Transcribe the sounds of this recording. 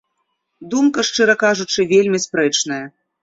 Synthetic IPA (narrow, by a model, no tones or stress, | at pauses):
d̪umkɐʂt͡ʂɨɾɐkaʐut͡ʂɨvʲelʲmʲispɾɛt͡ʂnɐjɐ